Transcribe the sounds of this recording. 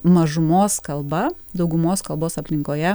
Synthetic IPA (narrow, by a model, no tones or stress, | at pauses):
mɐʒʊmoːskɐlˠbɐ | d̪ɒʊɡʊmoːskɐlˠboːsɐpʲlʲɪŋkoːjɛ